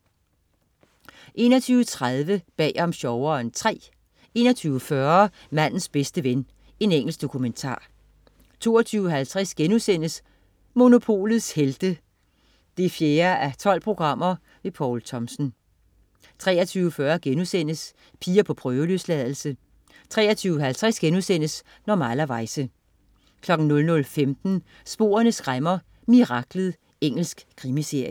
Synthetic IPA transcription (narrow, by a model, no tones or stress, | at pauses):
ʔe̝ːnɐt͡sʰyːʊət͡sʰʁaðˠʋəb̥ɛ̰ːɒ̽mɕɒʊɐnt͡sʰʁɛ̰ː | e̝̰ːnɐt͡sʰyːʊəfɶɐ | mæn̰n̩sb̥esd̥əʋen | e̝neŋ̰l̩sɡ̥d̥o̝kʰument͡sʰɑ̰̈ː | t͡sʰo̝̰ːɐt͡sʰyːʊɦælt͡sʰʁɛsɡ̥enusen̰əs | mo̝no̝pʰo̝̰ːlð̩ˠsheld̥ə | d̥e̝fjeːɐʔæt͡sʰɒ̽l̰pʰʁo̝ɡ̥ʁɑ̈m̰ɐ | ʋe̝pʰɒːlt͡sʰɒ̽msn̩ | t͡sʰʁɛ̰ːɐt͡sʰyːʊəfɶɐɡ̥enusen̰əs | pʰiːɐpʰɒ̽pʰʁœːʊəløslɛðˠl̩sə | t͡sʰʁɛːɐt͡sʰyːʊəɦælt͡sʰʁɛsɡ̥enusen̰əs | nɒmælɐʋɑ̈ɪsə | kʰlɒ̽ɡ̥n̩nɔ̽lnɔ̽lfemd̥n̩ | sb̥o̝̰ːɐnəsɡ̥ʁamɐ | miʁɑ̈ɡ̥lð̩ˠ | eŋ̰l̩sɡ̥kʰʁimise̝ɐ̰jə